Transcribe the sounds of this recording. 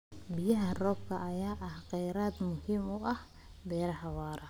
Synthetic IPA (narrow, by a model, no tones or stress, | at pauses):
bɪjɐɦɐrɔːb̚kʰɐʔɐjaːʔɐhqɛjɾaːd̪mʊhiːmʊʔɐh | b̪ɛːɾɐhɐwaːɾɐ